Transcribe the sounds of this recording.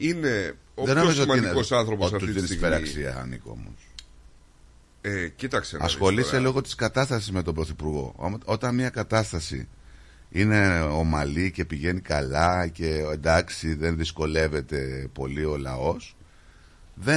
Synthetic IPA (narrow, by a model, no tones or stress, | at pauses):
ine | oðenomiszomɐnosɐnθɾopootsɐft̪uinsspeɾɐksiɐ̰nḭko̰mo̰s | ecit̪ɐkseɐ̰ssxo̞liselo̞ɣo̞t̪i̥skɐt̪ɐst̪ɐsizme̞t̪o̞mbɾoθipuɾɣo̞̰o̞t̪ɐnmɲɐkɐt̪ɐst̪ɐsḭ | ine̞o̞mɐlice̞piʝe̞nikɐlɐce̞end̪ɐksiðe̞nðisko̞le̞ve̞t̪e̞po̞lio̞lɐ̰o̞s | ðe